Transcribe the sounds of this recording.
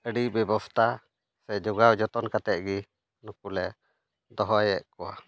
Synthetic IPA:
əɖibɛbɔst̪ʰa | sɛd͡ʒɔɡawd͡ʒɔt̪ɔnkat̪ɛʔ̚ɡi | nukulɛ | d̪ɔɦɔjɛʔkɔwa

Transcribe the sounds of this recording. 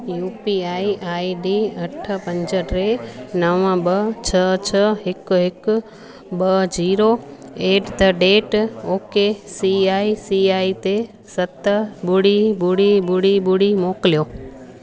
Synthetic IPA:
juːpiaːiʔaːiɖiːɐʈʰəpɐ̃ɲd͡ʑəʈɾenɐʋə̃ɓət͡ɕʰət͡ɕʰəɦɪkɦɪkʊ | ɓəd͡ʑiːɾoeːʈt̪əɖeːʈoːkesiaːisiaːit̪e | sɐt̪əɓʊɽibʊɽiɓʊɽiɓʊɽimoːklijoː

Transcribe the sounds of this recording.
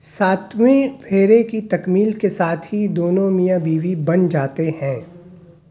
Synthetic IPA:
saːt̪ʰwẽpʰeːɾekit̪ɐkmiːlkesaːt̪ʰɦid̪oːnõmijabiːʋibɐnd͡ʒaːt̪ehɛ̃ː

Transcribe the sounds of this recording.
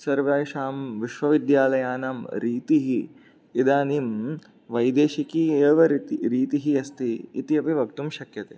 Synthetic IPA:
sɐɾʋɐːʃaːmʋiʃʋɐʋid̪jaːlɐjaːnaːmɾiːt̪iɦiː | d̪aːniːm | ʋɐjd̪eːʃikieːʋɐɾit̪iɾiːt̪iɦiɐst̪iːt̪iɐpiʋɐkt̪umʃɐkjɐt̪eː

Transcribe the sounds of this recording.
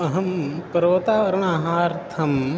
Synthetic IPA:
ɐɦɐmpɐɾot̪aːʋɐɾɐmaːɦaːɾt̪ʰɐm

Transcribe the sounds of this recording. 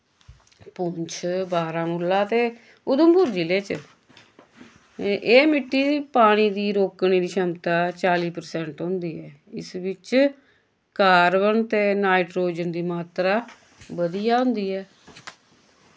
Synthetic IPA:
pʊɲt͡ʃʰbaːɾãːmuːlːaːt̪eː | ʊd̪əmbʊɾd͡ʒileːt͡ʃ | ʔeːmɪʈːiːpaːɽ̃iːd̪iːɾoːkɳ̃iːd̪iːʃəmt̪aːt͡ʃaːliːpəɾsɛ̃ːɳʈɦõːnd̪iːɛː | ɪ̰sʋɪt͡ʃ | kaːɾbənt̪eːnaːɪʈɾoːd͡ʒənd̪iːmaːt̪ɾaː | ʋəd̪ijaːɦʊ̃ːnd̪iːɛː

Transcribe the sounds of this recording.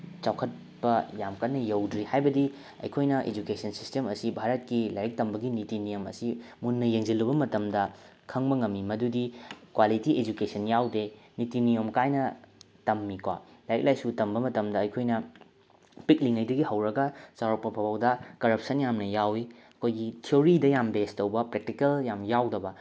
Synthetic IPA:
t͡ʃawkʰɐt̚ | pɐjamkɐtnːɐjɐwdɾihajbɐdi | ɐ̰jkʰojnɐʔḛd͡ʒukesɐnsistemɐsibʱaɾɐt̚kilajek̚tɐmbɐɡinitinijɐmɐ̰simunːɐjeŋzilːubɐmɐtɐmdɐkʰɐŋbɐŋɐmːimɐdudikwalitiʔed͡ʒukesɐnjawdenitinijomkajnɐ | tɐmːikwa̰lajek̚lajsutɐmbɐmɐtɐmdɐɐjkʰojnɐ | pik̚liŋɐjdɐɡihɐwɾɐɡɐt͡ʃawɾɐpɐpʰɐbawdɐkɐɾɐp̚sɐnjamnɐjawiɐkʰojɡitʰioɾidɐjambestɐwbɐpɾek̚tikɐljamjawdɐbɐ

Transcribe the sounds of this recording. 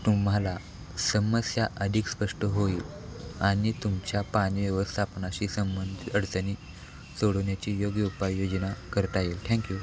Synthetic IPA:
t̪um̤ɦala | səməsjaʔəd̪ʱiːkspəʂʈəɦoiːlaɽ̃it̪umt͡ɕjapañiʋeʋəst̪ʰapnaɕiːsəmbənd̪ʱəɽt͡səni | soɽonjat͡ɕijoɡjəupajjod͡ʑnakəɾt̪ajelʈʰɛ̃ŋkju

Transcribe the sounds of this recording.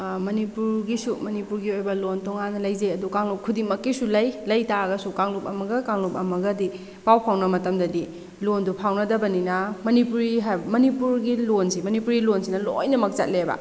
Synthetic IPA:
mɐnipuɾɡisumɐnipuɾɡiojbɐlontɔŋanːɐlɐjzeɐdukaŋlup̚kʰːudimɐkːisulɐjlɐjtaɡɐsukaŋlup̚ɐmɐɡɐkaŋlup̚ɐmɐɡɐdi | pawpʰawnɐmɐtɐmdɐdi | londupʰawnɐdɐbɐninɐmɐnipuɾiɦajbɐmɐnipuɾɡilonsimɐnipuɾilonsinɐlo̰jnɐmɐk̚t͡ʃa̰t̚lebɐ̰

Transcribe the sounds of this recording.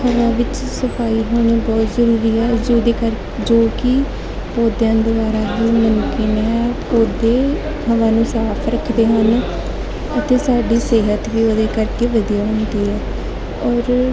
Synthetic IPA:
həʋaːʋɪt͡ʃ | səpʰaːiːɦoːɳ̃iːbɔːt̪zəɾuːɾiːɛːd͡ʒoːd̪eːkəɾ | d͡ʒoːkɪ | pɔːd̪jãːd̪ʊbaːɾaːd̪iːmənkiːnɛpoːd̪eː | həʋãːnũːsaːpʰɾəkʰd̪eːɦən | ət̪eːsaːɖiːseːɦət̪ʋiːoːd̪eːkəɾkeːʋəd̪ijaːɦʊ̃nd̪iːɦɛː | ɔːɾ

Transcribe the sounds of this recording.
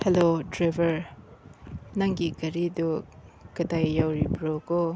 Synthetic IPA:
helodɾajbʱɐɾ | naŋɡikɐɾidukɐdajːawɾibɾoɡo

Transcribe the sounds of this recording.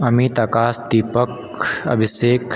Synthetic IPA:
ɐmit̪ɐkaːsd̪iːpək | ɐ̰bʱiseːk

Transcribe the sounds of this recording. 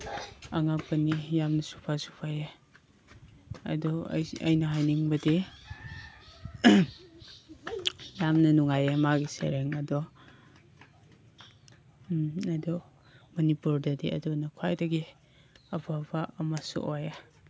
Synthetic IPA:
ɐŋapɐnijamnɐsu̥pʰasu̥pʰaje | ɐ̰dɔ̰ɐ̰jnɐɦajniŋbɐde | jamnɐnuŋajemaɡisḛɾeŋɐdɔ | adɔ | mɐnipuɾdɐdeɐ̰dɔnɐkʰwajdɐɡi | ɐbʰabaːmasṵʔoja

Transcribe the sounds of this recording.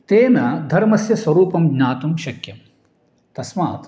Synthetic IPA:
t̪eːnɐd̪ʱɐɾmɐsjɐsʋɐɾuːpɐmɡɲaːt̪umʃɐkjɐm | t̪ɐsma̰ːt̪

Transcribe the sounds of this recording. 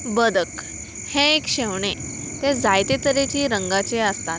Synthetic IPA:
bəd̪ək | hɛ̃ekɕɛʋɳe | t̪ɛd͡zajt̪et̪əɾet͡ɕiːɾəŋɡat͡seəst̪a

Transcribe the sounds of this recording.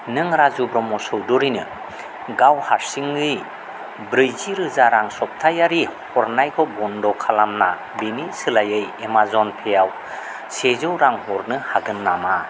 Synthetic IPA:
nɯŋɾazubɾɔmɔsɔwdɔɾinɯ | ɡawhaɾsiŋɯj | bɾɯjziɾɯzaɾaŋsɔp̚tʰajaɾihɔɾnajkʰɔbɔndɔkʰalamna̰ | binisɯlajɯjemazɔnpʰejaw | sezɯwɾaŋhɔɾnɯhaɡɯnːama

